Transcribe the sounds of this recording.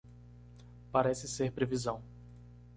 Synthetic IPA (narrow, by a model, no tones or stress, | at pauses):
paɾɛsɪseɾpɾevizɐ̃w̃